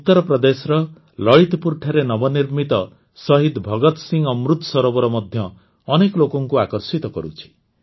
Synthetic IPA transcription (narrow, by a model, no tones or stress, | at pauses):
ut̪ːɔɾɔpɾɔd̪esɔɾɔ | lɔɭit̪puɾʈʰaɾenɔbɔniɾmit̪ɔ | sɔɦid̪bʱɔɡɔt̪siŋɡɔmɾut̪ɔ̥sɔɾɔbɔɾɔmɔd̪ʱjɔː | nekɔlokɔŋkuakɔɾsit̪ɔkɔ̰ɾut͡ʃʰi̥